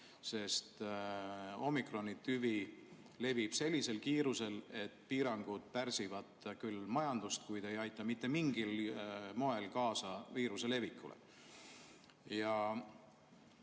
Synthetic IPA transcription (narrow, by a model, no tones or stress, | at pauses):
se̞st̪ | o̞mikro̞nit̪ːyvi | le̞vib̥se̞lʲːise̞lkiːɾuse̞le̞t̪ːpiːɾɑŋɡ̥ud̪̥̚pærsivɑt̪kylmɑjɑnd̪̥ust̪kujd̪e̞jɑjt̪ˑːɑmit̪ːe̞miŋɡ̥ilmo̞e̞lkɑːsɑviːɾuse̞levikːˑṵlʔḛ | jɑ